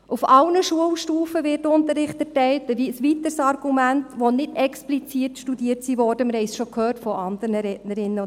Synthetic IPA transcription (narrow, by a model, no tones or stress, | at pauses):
ʔufɑlnəʃuəlʃtuːfəʋɪtːʊntəɾɪχtɛɾtɛɪltəisʋitəɾsɑɾɡ̥umæntʋonɪdɛksplit͡siːtʃtudiːətsiʋɔːɾd̥əmɪɾhɛɪsʃokhøːtfɔʔɑndəɾnəɾɛtnəɾɪnːə